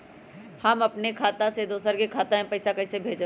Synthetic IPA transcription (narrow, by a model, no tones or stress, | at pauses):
hɐmɐpnekʰaːt̪ãsed̪oːsəɾkekʰaːt̪ãẽpɐɪsakɐisebʱeːd͡ʒ